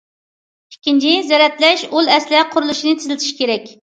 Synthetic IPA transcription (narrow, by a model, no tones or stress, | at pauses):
ikʲʰːint͡ʃʰizɛɾɛt̪lɛʃulˠɛslɪqʰʊɾulˠuʃinɨt̪ʰɪzlɪt̪ʰɪ̥ʃi̥kʲʰeɾɛkʲ